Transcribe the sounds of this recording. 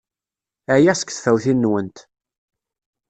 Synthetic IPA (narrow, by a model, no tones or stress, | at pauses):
æjæsə̥kθfæwθinːwənt̪